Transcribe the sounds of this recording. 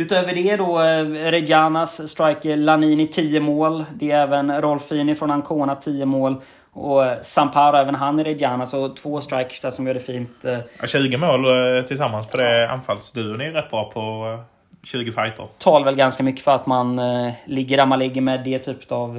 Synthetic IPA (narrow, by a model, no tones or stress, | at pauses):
ʉ̟ːt̪øːvəɖɛd̪ɔɾɛd̪jaːnasːt̪ɾajkəlaniːnɪt̪ʰiːəmoːld̪ɛɛːvənɾɔlfiːnɪfɾɔnhankʰoːnat̪ʰiːəmoːl | ɔsampʰaːɾʊɛːvənɦanɾɛd̪jaːnasɔt̪ʰvoːst̪ɾajkə̥ʂd̪asɔmjɔːɖɛfiːnt̪ɕʉ̟ːɡəmoːlt̪ʰɪlsamːanspʰɔd̪ɛa̰nfalsd̪ʉːʊnɪɾɛpːapʰɔ | ɕʉ̟ːɡəfajt̪ʰə̰ɾt̪ʰɑːlavɛlɡanskamʏkːə̥fœɾat̪manlɪɡːəɖæɾmanlɪɡːəmɛd̪ɛt̪ʰyːpə̥t̪av